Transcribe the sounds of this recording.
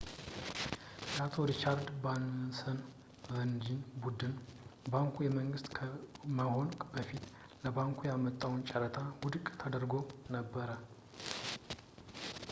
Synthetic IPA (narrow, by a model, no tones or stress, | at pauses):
jat̪ʰo̞ɾit͡ʃaɾd̪bansən | vənd͡ʒinbud̪ɨnbaŋkʰujɛməŋɡɨst̪kʰəməho̞nbəfit̪ | ləbaŋkʰujamət̪ʼːawnt͡ʃʼəɾət̪ʰawud̪ɨkʼt̪ʰəd̪əɾɡo̞nəbːəɾə